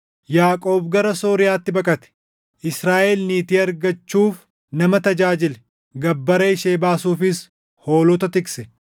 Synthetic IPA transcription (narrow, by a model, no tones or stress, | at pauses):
jaːkʼo̞ːbɡɐɾɐso̞ːɾɪjaːt̪ːɪbɐkʼɐt̪ɛ̥ | ʔɪsɾaːʔɛlniːt̪iːɐɾɡɐt͡ʃːuːf | nɐmɐt̪ɐd͡ʒaːd͡ʒɪlɛ | ɡɐbːɐɾeɪʃeːbaːsuːfɪs | ho̞ːlɔt̪ɐt̪ɪksɛ